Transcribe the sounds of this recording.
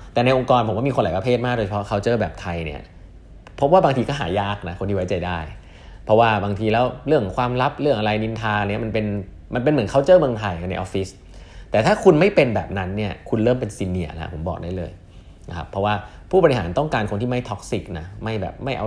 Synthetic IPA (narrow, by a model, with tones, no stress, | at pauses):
t̪ɛː˨˩na˧jʔo˧ŋkɔː˧npʰo˨˩˦kaː˥˩mi˧xo˧nla˨˩˦jpa˧pʰeː˥˩t̪̚maː˥˩do˧t͡ɕʰa˧pʰɔ˦˥kʰa˦˥˩t͡ɕɤː˥˩bɛː˨˩p̚t̪ʰa˧jnḭ˦˥˩ɐ | pʰo˦˥p̚waː˥baː˧ŋt̪iː˧kɔ˥˩ɦa̰ː˩˦jaː˥˩k̚na˦˥ko˧nt̪ʰiː˥˧wa˦˥jt͡ɕa˧jdaː˥˩j | pʰɾɔ˦˥waː˥˩baː˧ŋt̪ʰiː˧lɛː˦˥wɾɯ˥˩əŋkʰwaː˧mɾa˦˥p̚ɾɯ˥˩əŋʔa˧ɾa˧jni˧nt̪ʰaː˧ni˦˥ɐma˧npe˧n | ma˧npe˧nmɯ˩˦nkʰa˦˥˩wt͡ɕɤː˥˩mɯ˧ŋt̪ʰa˧jna˧jʔɔ̰ː˦˥fi˦˥s | t̪ɛː˨˩t̪ʰaː˥˩kʰu˧nma˥˩jpe˧nbɛ̰ː˨˩p̚na˦˥nːi˥˩ɐkʰu˧nɾɤː˥˩mpe˧nsiː˧nːi˨˩˦ɐla̰˦˥pʰo˩˦mbɔ̰˨˩k̚daː˥˩jlɤ̰ː˧j | na˧kʰa˦˥pʰːɔ˦˥waː˥˩ | pʰu˥˩bɔ˧ɾi˧ɦa̰ː˩˦nt̪ɔ˥˩ŋkaː˧nkʰo˧nt̪ʰiː˥˩ma˥˩jt̪ʰɔ˦˥k̚si˨˩k̚na˦˥ma˥˩jbɛ̰ː˨˩p̚ma˥˩jʔa˧